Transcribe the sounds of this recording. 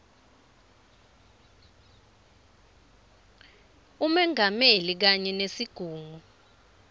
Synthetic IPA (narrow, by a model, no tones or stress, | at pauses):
umɛŋʱamelik̬aɲɛnesiɡ̥ʱuːŋu